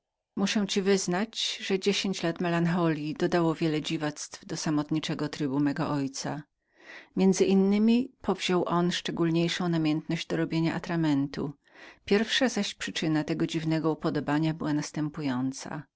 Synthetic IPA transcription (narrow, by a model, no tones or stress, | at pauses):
muʂɛw̃t͡ɕivɘznat͡ɕʐɛd͡ʑeɕeɲt͡ɕlat̪mɛlanxɔlʲid̪ɔd̪awɔvʲjɛlɛd͡ʑivat̪st̪vd̪ɔsamɔt̪ɲit͡ʂɛɡɔt̪ɾɘbumɛɡɔ̰ʔɔjt̪sa̰ | mʲjɛndzɘʔinːɘmʲipʰɔvʑɔwʔɔnʂt͡ʂɛɡulɲejʂɔ̃w̃namʲjɛnt̪nɔʑd͡ʑd̪ɔɾɔbʲjeɲaʔa̰t̪ɾamɛnt̪ṵ | pʲjɛɾfʂazaɕpʂɘt͡ʂɘnat̪ɛɡɔd͡ʑivnɛɡɔupɔd̪ɔbaɲabɘwanast̪ɛmpujɔnt̪sa̰